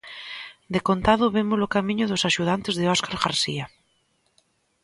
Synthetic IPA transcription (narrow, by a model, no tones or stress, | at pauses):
d̪ekont̪aðʊβemʊsokamĩɲʊðosaʃuð̞ant̪ezðeɔskaɾɣaɾsia